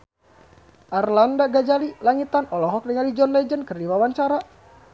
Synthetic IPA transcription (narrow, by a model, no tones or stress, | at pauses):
ʔarlandaɡad͡ʒalilaŋit̪anɔlɔɦɔk̚dəŋalid͡ʒɔnlɛd͡ʒənkərdiwawant͡ʃaɾa